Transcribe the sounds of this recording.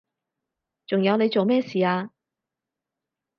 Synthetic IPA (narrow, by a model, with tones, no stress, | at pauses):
t͡sʊ˨˩ŋjɐ˨˧wne˨˧jt͡so˨wmɛː˥˩siː˨aː˧